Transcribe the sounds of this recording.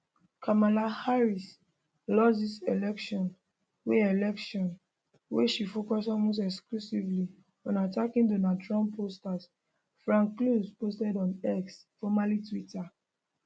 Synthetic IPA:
kʰamalahaɹis | lɔsdiselɛkʃɔ̃n | weɛlɛkʃɔ̃n | weʃifokɔsɔmõs̬ɛksklusivli | ɔ̃natakĩndonadɹɔ̃mpʰostas | fɹãŋkːluspostɛdɔ̃nɛksfɔmalitwita

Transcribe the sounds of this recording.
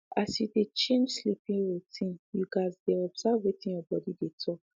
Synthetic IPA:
asjudet͡ʃẽnd͡ʒslipĩŋɹutʰĩnjuɡazdɛɔbsavwetĩjɔbɔdidetʰɔk

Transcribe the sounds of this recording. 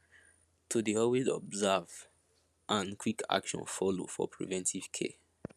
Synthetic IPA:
tʰudiɔwezɔ̰bzav | ʔãnkʰwikʰa̰kʃɔ̰̃nfɔlo̰fɔ̰pʰɹḭvɛ̃ntʰiv̥kʰḛ

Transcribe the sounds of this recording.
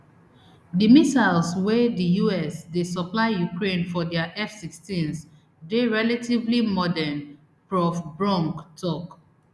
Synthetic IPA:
dimisaɪlswɛdijuɛsdesəplaɪjukɹẽnfɔdɛaʔɛfsikstĩns | deɹɛlativlimɔdɛn | pɹɔfbɹɔ̃ŋktʰɔk

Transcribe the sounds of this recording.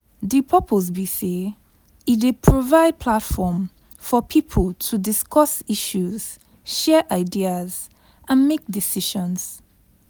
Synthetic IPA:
dipʰɔpʰoz̬bise | it̚depʰɹovaɪd̚pʰlatfɔm | fɔpʰipʰəltʰudiskʰɔsiʃuz̥ | ʃɛʔaɪdiaz | ʔãnmek̚disiʃɔ̃nz̥

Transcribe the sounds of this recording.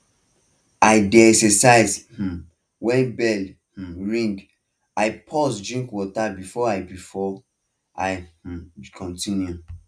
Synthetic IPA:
aɪdɛɛsɛsajsh̩ | wɛ̃nbɛl | h̩ɹĩŋɡ | aɪpʰɔsdɹĩŋkwɔtabifɔaɪbifɔ | aɪh̩kʰɔ̃ntĩnju

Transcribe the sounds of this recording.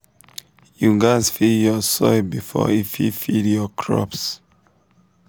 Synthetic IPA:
juɡazfijɔsɔɪbifɔ̰ifḭfiljɔkʰɹɔ̰ps

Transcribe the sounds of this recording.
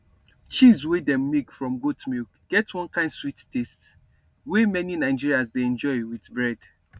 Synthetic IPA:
t͡ʃizwedɛ̃mːikfɹɔ̃mɡotmilkɡ̥ɛtwɔ̃nkãɪ̃ndswittest | wemɛninãɪd͡ʒiɹiasdeɛ̃nd͡ʒɔɪwitbɹɛd̥

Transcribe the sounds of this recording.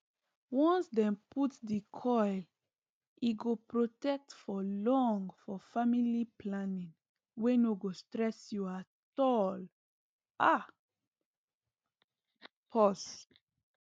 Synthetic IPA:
wɔ̃nsdɛ̃mputdikʰɔjl | iɡopɹotɛk̚tfɔlɔ̃ŋɡfɔfamiliplãnĩŋ | wɛnoɡostɹɛsjuatɔl | ʔa | pʰɔs

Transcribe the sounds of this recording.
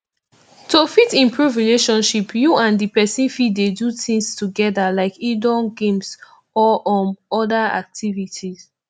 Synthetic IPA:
tofitĩmpʰɹuvɹileʃɔ̃nʃipjuãndipɛsĩnfidedutĩŋstuɡɛdalaɪkidɔnɡẽms | ɔʔɔ̃nɔdaa̰k̚tʰivitʰiz

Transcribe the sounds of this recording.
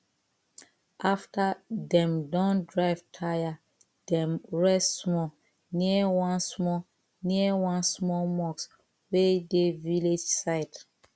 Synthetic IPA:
ʔaftadɛ̃mdãndɹaɪv̥tʰaja | d̥ɛ̃mɹɛstsmɔ | niəwãnsmɔ | niəwãnsmɔmɔks | wedeviled͡ʒsaɪt

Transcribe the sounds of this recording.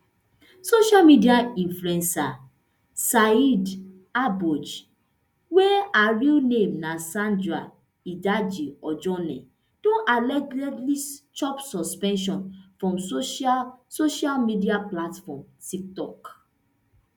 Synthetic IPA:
soʃalmidiaĩnfluɛ̃nsa | said | abɔd͡ʒ | wɛaɹilnẽmnasãndɹa | idad͡ʒiɔd͡ʒɔnɛ̰̃ | d̥õʔalɛtlɛtlit͡ʃɔpsɔspɛ̃nʃ̬ɔ̃nfɹɔ̃mso | soʃalmidiaplatfɔmtik̚tɔk

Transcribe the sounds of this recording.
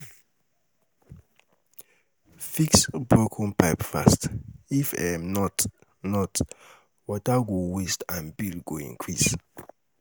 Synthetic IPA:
fiksbɹokʰɔ̃npʰaɪpfa̰stifɛ̰mnɔt | nɔt | wɔtaɡowestãnbilɡoḭ̃ŋkʰɹis

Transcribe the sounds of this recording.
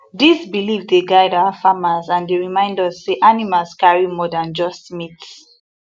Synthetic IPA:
disbilivdeɡaɪdaʊafamazãndeɹimãɪ̃ndɔsːeʔanimalskaɹimɔdãnd͡ʒɔstmits

